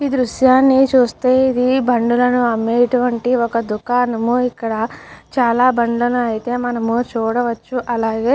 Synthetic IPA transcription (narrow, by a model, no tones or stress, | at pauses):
id̪ɾuʃjaːnːit͡ʃuːst̪eːid̪ibɐɳɖulɐnuɐmːeːɐʈuʋɐɳʈiɔkɐd̪ukaːnɐmuikːɐɽɐt͡ʃaːlaːbɐɳɖlɐnuɐjit̪e̞ːmɐnɐmut͡ʃuːɽɐʋɐt͡ʃːuʔɐlaːɡe̞ː